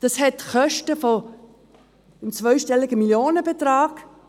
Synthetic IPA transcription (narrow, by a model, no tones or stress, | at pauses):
d̥ɑshɛtχœʃtəfɔ | ɪmt͡svœʏʃtɛlɪɡəmiljoːnəb̥et̪raːɡ